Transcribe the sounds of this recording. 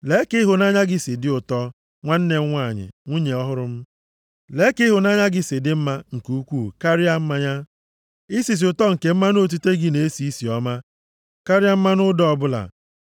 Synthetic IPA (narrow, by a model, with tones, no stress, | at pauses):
le˨˦kɪ˦ɦʊ˨na˦ɲa˦ɡɪ˦sɪ˨dɪ˦ʊ˨tɔ˦ | ŋʷa˦n̩˦ne˨˦ŋʷa˦˨ɲɪ̰˨ŋʷu˦ɲe˨ɔ˦ɦʊ˦ɾʊ˦m̩˦ | le˨˦kɪ˦ɦʊ˨na˦ɲa˦ɡɪ˦sɪ˨dɪ˦m̩˦ma˦ŋ̩˨kuu˦kʷuː˦˨ka˦ɾi˦a˦m̩˦ma˦ɲa˦ | i˦si˨s̬i˨ʊ˨tɔ˦ŋ̩˨ke˨m̩˦ma˦no˦t̬u˦te˦ɡɪ˦ne˨e˦si˨˦i˦si˨ɔ˦ma˦ | ka˦ɾɪ˦a˦m̩˦ma˦nʊ˦dɔ˦ɔ˦˨bʊ˦la̰˨